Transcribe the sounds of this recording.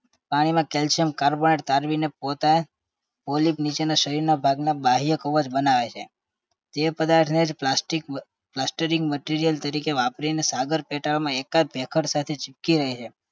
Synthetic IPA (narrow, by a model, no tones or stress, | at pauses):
paɽ̃imãkelt͡ʃəmkaɾboneʈt̪aɾʋinep̚ot̪a | polipnit͡ʃenaʃəɾiɾnabʱaɡnabaɦijəkəʋəd͡ʒbənaʋet͡ʃʰe | t̪epəd̪aɾʈ̪ʰned͡ʒplasʈik | plasʈəɾiŋɡməʈiɾijəlt̪əɾikeʋapɾinesaɡəɾpeʈaɭmãekad͡ʒ̚bʱekʰəʈsat̪ʰet͡ʃɪp̚kiɾəɦit͡ʃʰe